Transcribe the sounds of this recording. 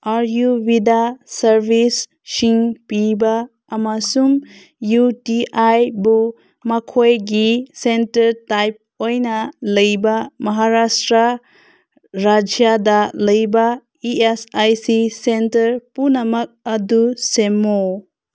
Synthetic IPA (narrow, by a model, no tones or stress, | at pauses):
aɾjubidasɐɾbʱisː | iŋpibaː | masum | jutiʔajbu | mɐkʰojɡisentɐɾtajp̚ojnɐlɐjbɐmɐɦaɾastɾa | ɾad͡ʒjadɐlɐjbɐ | iesajsisentɐɾpunɐmɐk̚ɐdusemo